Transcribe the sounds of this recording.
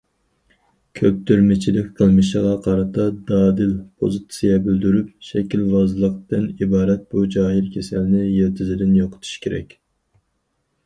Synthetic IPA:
kʲʰøp̚t̪ʰyɾmɪt͡ʃʰilɪkʲqʰəlˠmɨʃəʁɑqʰɑɾɨt̪ʰɑd̪ɑːd̪ɨlpʰo̰zɨt̪sijɛbyld̪yɾyp̚ʃɛkʲʰilvɑzɨlˠəq̚t̪ɨnibɑːɾɛt̪̚bud͡ʒɑːɦiɾkʲʰesɛlnɪjɛɾt̪ʰɪzɪd̪ɪnjoqʰə̥t̪ʰu̥ʃkʲʰeɾɛ̰kʲ

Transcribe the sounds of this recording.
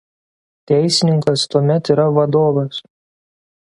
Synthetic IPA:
t̪ʲɛɪsʲɪnʲɪŋkɐst̪uɔmʲɛt̪iːɾɐʋɐd̪oːʋɐs

